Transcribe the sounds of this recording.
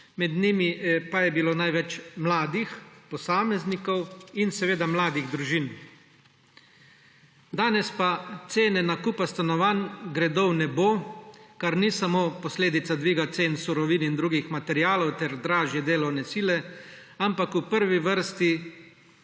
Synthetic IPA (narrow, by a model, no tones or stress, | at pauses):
mɛd̪nimiɛpajɛbiloːnajʋɛt͡ʃmlaːd̪ixpɔsaːmɛznikɔwinsɛʋeːd̪amlaːd̪iɣd̪ɾuʒin | d̪aːnɛspat̪seːnɛnakupast̪anɔʋanɡɾɛd̪ɔwnɛboːkaɾnisamoːpɔsleːd̪it̪sad̪ʋiːɡat̪seːnsuɾɔʋiːnind̪ɾuːɡixmat̪ɛɾiaːlɔwt̪ɛɾd̪ɾaːʒjɛd̪eːlɔwnɛsiːlɛampakupəɾʋiʋəɾst̪i